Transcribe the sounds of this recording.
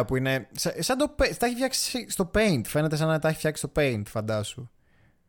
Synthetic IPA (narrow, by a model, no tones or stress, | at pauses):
puine̞sɐsɐnd̪opet̪ɐçifçɐksi̥sist̪o̞peint̪fe̞net̪es̬ɐnɐt̪ɐçi̥fçɐksi̥st̪o̞peint̪fɐnd̪ɐsu